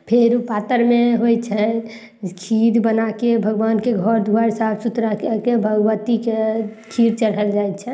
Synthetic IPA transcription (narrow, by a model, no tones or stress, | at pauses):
pʰeɾupat̪əɾmeɦojt͡ʃʰɛ | kʰid̪bənakebʱəɡʋankeɡʱɔɾd̪ʱuaɾsabsut̪ɾakkebʱəɡʋət̪ikekʰiɾt͡ʃəɽ̤əld͡ʒajtt͡ʃʰɛ